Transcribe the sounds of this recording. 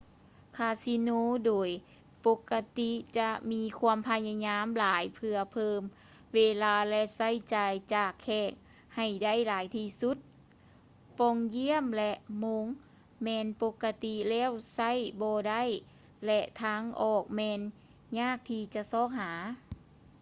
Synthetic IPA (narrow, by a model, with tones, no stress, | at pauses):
kʰaː˧si˧noː˧doː˨˩j | po˧˥kːa˧t̪i˧t͡ɕa˧˦ʔmiː˧˥kʰu˧əmpʰa˧ɲa˧ɲaː˧˥mlaː˨˦jpʰɯ˧ɐpʰɤː˧m | weː˧laː˧lɛ˧ʔsa˧˥˩jt͡ɕaː˨jt͡ɕaː˨˩kʰːɛː˧˩k̚ | ha˨˩jda˥˩˨jlaː˨˦jt̪ʰiː˧su˧˦˥t̪̚ | pɔ˧ŋji˧˥˨əmlɛ˧ʔmo˧ŋ | mɛː˧npo˧˥kːa˧t̪i˧lɛː˧˥˩wsa˧˥˩jbɔː˧da˥˩˨j | lɛ˧ʔt̪ʰaː˧˥ŋʔɔː˨˩k̚mɛː˧n | ɲaː˥˩k̚t̪ʰiː˧t͡ɕa˧˨sɔː˧˥˩k̚ɦaː˩˦